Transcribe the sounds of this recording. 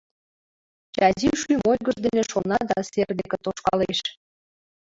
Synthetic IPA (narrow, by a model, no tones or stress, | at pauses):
t͡ɕɑzʲiwʃymojɣəʒd̪eneʃonɑd̪ɑserd̪eket̪oʃkɑleʃ